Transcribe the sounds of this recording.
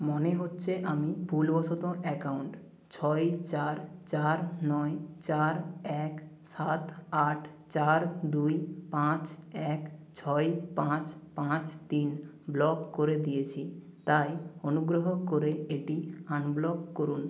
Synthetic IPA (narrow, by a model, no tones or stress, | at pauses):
moneɦotːɕʰeʔamibʱulbɔt͡ɕʰot̪oʔɛkauɳʈ | t͡ɕʰɔjt͡ɕaɾt͡ɕaɾnɔet͡ɕaɾɛksat̪aʈʰ | t͡ɕaɾd̪ujpãt͡ɕɛkt͡ɕʰɔejpãt͡ɕpãt͡ɕt̪in | blɔkkoɾed̪ijet͡ɕʰit̪ajonuɡɾoɦokoɾeeʈianblɔkkoɾun